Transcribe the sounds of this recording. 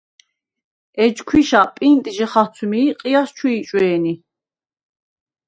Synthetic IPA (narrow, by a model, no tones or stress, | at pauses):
ɛd͡ʒkʰwiʃapʼint̪ʼʒɛχat͡sʰumiːqʼijast͡ʃʰwuit͡ʃʼwɛːni